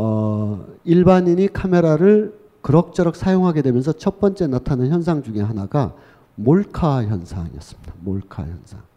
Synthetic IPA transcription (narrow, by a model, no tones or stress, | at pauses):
ʌ | iɭbaɲiɲikʰame̞ɾaɾɯɭ | kɯɾʌk̚t͡ɕ͈ʌɾʌk̚s͈ʰajoŋɦaɡe̞dwe̞mjʌnsʰʌt͡ɕʰʌp͈ʌnt͡ɕ͈e̞natʰanɯnçjʌns̬ʰaŋd͡ʑuŋe̞ɦanaɡa | moɭkʰaçjʌnsʰa̰ŋḭʌs͈ɯ̥mid̥amoɭkʰa̰jʌ̰nsʰa̰ŋ